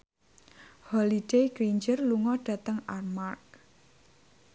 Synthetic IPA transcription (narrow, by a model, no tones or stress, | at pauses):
hɔlid̥ejɡɾiɲd͡ʒərluŋɔɖ̥ä̤t̪əŋarmark̚